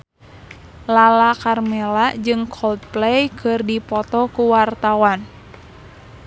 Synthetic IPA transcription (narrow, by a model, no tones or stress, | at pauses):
lalakarmɛlad͡ʒɨŋkʰɔlt̪̚plɛjkʰɨrdipɔt̪ɔkuwart̪awan